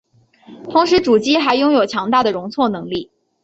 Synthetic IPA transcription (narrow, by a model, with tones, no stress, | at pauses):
t̪ʰʊ˧˥ŋʂɻ̩˧˥ʈ͡ʂu˨˩t͡ɕi˥xa˧˥ɪjʊ˥ŋjo˨˩ʊt͡ɕʰjɑ˧˥ŋt̪a˥˩d̪ə˩ɻʊ˧˥ŋt͡sʰwɔ˥˩nɤ˧˥ŋli˥˩